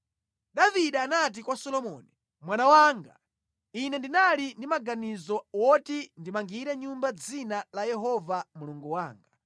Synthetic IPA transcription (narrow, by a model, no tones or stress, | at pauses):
ɗaviɗaanat̬ikwasɔlɔmɔni | mwanawaːŋɡa | inɛndinalindimaɡanizɔwɔtindimaŋɡiɾɛɲumbad͡zinalajɛɦɔvamuluŋɡuwaːŋɡa